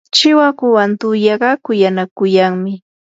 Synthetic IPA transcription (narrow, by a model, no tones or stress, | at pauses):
t͡ʃɪwakʊwant̪ʊjɑɢɑkʊjanakʊjaŋmɪ